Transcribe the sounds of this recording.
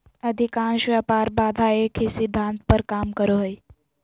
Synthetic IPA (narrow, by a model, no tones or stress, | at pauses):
əd̪ʱikaːnʃʋapaːɾbaːd̪ʱaeːkɦisɪd̪ʱːãːnt̪̚pəɾkaːmkəɾoɦəi